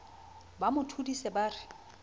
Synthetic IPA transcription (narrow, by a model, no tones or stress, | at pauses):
bamʊtʰudisɛbaːrɪ